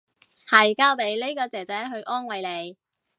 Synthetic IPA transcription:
hɐ˨˩jkaː˥wpe˨˧jle˥jkɔː˧t͡sɛː˨˩t͡sɛː˨˥ɦɵ˧ɥʔɔː˥nwɐ˨˧jle˨˧j

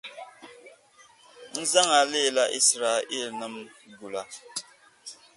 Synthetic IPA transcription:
n̩˦za˦ŋa˨le˦˨la˦ʔḭ˦sɾa˨i˦˨lnə˦mɡu˨la˦

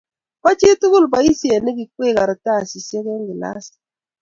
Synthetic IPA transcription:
pa˦t͡ʃi˦tu˦ɣu˦lba˨i˦si˨e˨ne˦ɡi˨kwe˦˨ka˨ɾta˦˨si˨se˦ke˦ŋɡi˨la̰˦si̥˨

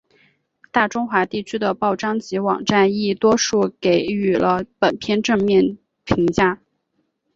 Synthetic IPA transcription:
t̪a˥˩ʈ͡ʂʊ˥ŋxwa˧˥t̪i˥˩t͡ɕʰy˥d̪ə˨pɑ˥˩ʊʈ͡ʂɑ˥ŋt͡ɕi˧˥wɑ̰˨˩ŋʈ͡ʂa˥˧ni˥˩t̪wɔ˥ʂu˥˩ke˧˩ɪy˨˩lʔə˦pə˨˩npʰjɛ˥˧nʈ͡ʂɤ˥˧ŋmjɛ˥˩n | pʰi˧˥ŋt͡ɕja˥

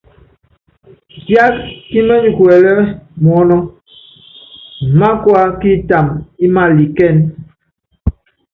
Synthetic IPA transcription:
bja˦t̚ki˦mɛ˦ɲu˨ku˨ɛ˨lɛ˦mwɔ˨˦nɔ˦ | m̩˨ma˦kwa˦ki˦ta˨mi˦ma˦li˨kɛ˦˨n

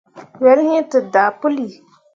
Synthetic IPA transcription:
wɛ˨ɾɦĩ˦tɨ˨da˨pʊ˦li˨

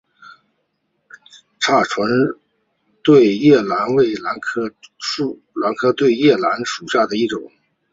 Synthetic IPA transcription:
ʈ͡ʂʰa˥˩ʈ͡ʂʰwə˧˥n | t̪we˥˩˧ɪjɛ˥˩la˧˥nwe˥˩ɪla˧˥nkʰ | la˧˥nkʰɤ˥t̪we˥˧ɪjɛ˥˩la˧˥nʂu˨˩ɕja˥˩d̪ə˩i˥˩ʈ͡ʂʊ˨˩˦ŋ

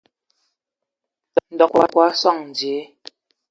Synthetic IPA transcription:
n̩˨dɔ˨kwa˨˦kwa˨˦swa˦˨ŋn˨d͡ʒje˨˦

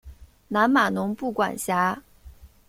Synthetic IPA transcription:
na˧˥nma˨˩nʊ˧˥ŋpu˥˩kwa̰˨˩nɕja˧˥

